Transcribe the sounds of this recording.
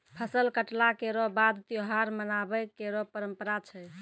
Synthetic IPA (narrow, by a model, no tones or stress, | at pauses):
pʰəsəlkəʈlakeɾɔbad̪t̪joɦaɾmənabəkeɾɔpəɾəmpəɾat͡ʃʰə